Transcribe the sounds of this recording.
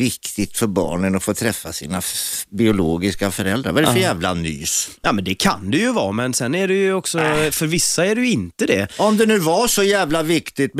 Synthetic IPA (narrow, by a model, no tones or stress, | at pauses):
ɪkt̪ɪɡt̪fœɾbɑ̰ːɳənɔfoːt̪ʰɾɛfːasḭːnabɪʊloːɡɪskafœɾɛld̪ɾa̰ɾvaɾɛfœjæːvlany̰ːsjɑːmɛnd̪ɛkʰa̰nd̪ɵjɵvɑːmɛnsɛnːæɖɛjɵɔksɔfœɾvɪsːaæɖɛjɵɪnt̪əd̪ɛɔmd̪ɛnʉ̟ːvaʂɔjæːvlavɪkt̪ɪt̪